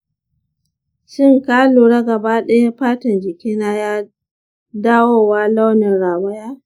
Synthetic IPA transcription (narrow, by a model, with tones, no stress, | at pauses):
ʃɪ˦˨ŋkaː˦luː˨ɽa˦ɡɐ˨baː˦ɗa˦ja˦ɸaː˦tɐ˨nd͡ʒɪ˨kʲiː˦naː˦jaː˦ | daː˦woː˦waː˦la˦wnɪ˨nɽaː˨wɐ˦jaː˦